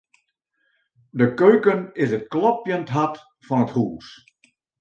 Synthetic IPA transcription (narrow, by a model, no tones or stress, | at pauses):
dəkøɥkənɪsət̚klɔpjəntɦat | fɔnəthuːs